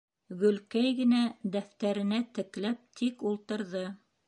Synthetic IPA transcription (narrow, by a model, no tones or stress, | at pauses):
ɡɵ̆lkæjɡɘ̆næd̪æft̪æɾɘ̆næt̪ɘ̆klæp̚t̪ʰikulˠt̪ɤ̆ɾðɤ